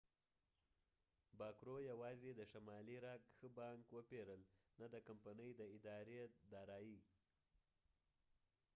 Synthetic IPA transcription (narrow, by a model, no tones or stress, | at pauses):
bɑkɾojawɑzed̪əʃamɑliɾɑkxəbɑŋkwəpeɾəlnad̪əkampanəjd̪əɪd̪ɑɾed̪ɑɾɑji